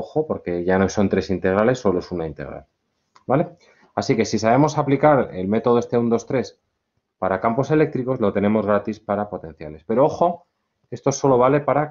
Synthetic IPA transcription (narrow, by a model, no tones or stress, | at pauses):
oxo̞po̞ɾke̞ʝanoso̞nt̪ɾe̞sint̪e̞ɣ̞ɾale̞sːo̞lo̞e̞sunaint̪eɣɾa̰l | bale̞ | asike̞sisaβe̞mo̞saplikaɾe̞̰lme̞t̪o̞ð̞est̪e̞und̪o̞st̪ɾe̞s | paɾakampo̞se̞le̞k̚t̪ɾiko̞zlo̞t̪e̞ne̞mo̞zɣɾat̪ispaɾapo̞t̪ẽ̞n̟θjale̞spe̞ɾo̞o̞xo̞ | e̞st̪o̞so̞lo̞βale̞paɾa